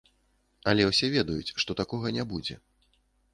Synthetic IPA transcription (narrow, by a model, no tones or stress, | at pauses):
ɐlʲɛwsʲɛvʲɛd̪ɐjut͡sʲʂt̪ɔt̪akɔɣɐnʲabud͡zʲɛ̰